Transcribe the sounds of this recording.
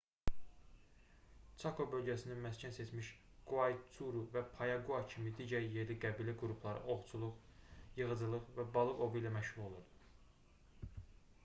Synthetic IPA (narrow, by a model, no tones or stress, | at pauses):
t͡ʃʰɑkʰobø̞lɟæsininmæscʰænse̞t͡ʃʰmiʃ | ɡ̥uɑjt͡sʰuɾuvæpʰɑjɑɡuɑcʰimid̪iɟæɾje̞ɾliɡæbiliɡuɾupʰlˠɑɾɯ̰ʔo̞ʁt͡ʃʰulˠuʁjɯʁɯd͡ʒɯlˠɯʁvæbɑlˠɯʔo̞vijlæmæʃhuɾo̞lˠuɾ